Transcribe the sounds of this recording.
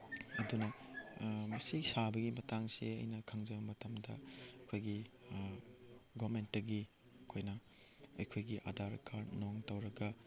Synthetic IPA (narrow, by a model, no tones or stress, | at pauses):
ɐdunɐ | mɐsisabɐɡimɐtaŋsḛɐ̰jnɐkʰaŋzɐbɐmɐtɐmdɐ̰ɐkʰojɡi | ɡɔmentːɐɡi | ɐkʰojnɐ | ɐjkʰojɡiʔa̰daɾkʰaɾnoŋtɐwɾɐɡɐ